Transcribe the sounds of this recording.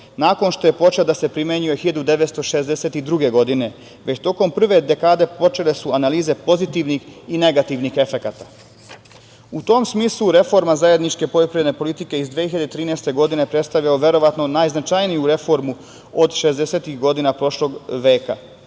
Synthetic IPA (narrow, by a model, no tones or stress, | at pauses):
naːko̞nʃt̪o̞je̞po̞t͡ʃelad̪ase̞pɾimjeɲujexiʎad̪ud̪e̞ʋet̪st̪oʃe̞zd̪ese̞t̪id̪ɾuɡe̞ɡo̞d̪ine̞ | ʋe̞t͡ɕt̪o̞ko̞mpr̩ʋe̞d̪e̞kaːd̪e̞po̞t͡ʃe̞le̞suanaliːze̞po̞zit̪iʋnixine̞ɡat̪iʋnixe̞fekat̪ḁ | ut̪o̞msmiːslˠuɾe̞fo̞ɾmazaje̞d̪nit͡ʃke̞pojopɾijed̪nepo̞lit̪ike̞izd̪ʋiehiʎad̪et̪ɾiːnest̪e̞ɡo̞d̪ine̞pɾe̞t̪st̪aʋʎaoʋje̞ɾo̞ʋat̪no̞naːjznat͡ʃajnijuɾe̞fo̞ɾmu | od̪ʃezd̪ese̞t̪ixɡo̞d̪inapɾo̞ʃlo̞ɡʋe̞ːka̰